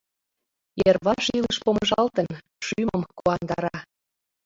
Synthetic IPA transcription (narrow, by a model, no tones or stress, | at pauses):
jerβɑʃiləʃpomʒɑlt̪ən | ʃyməmkuɑnd̪ɑɾɑ